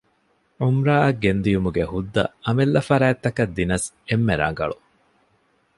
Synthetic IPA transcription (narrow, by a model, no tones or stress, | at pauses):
ʕumɾaːʔɐɡːend̪ijumuɡehud̪ːɐ̰ɐmelːɐfɐɾæːt̪ːɐkɐd̪ːinɐs | emːeɾa̰ːŋ̆ɡɐ̰ɭu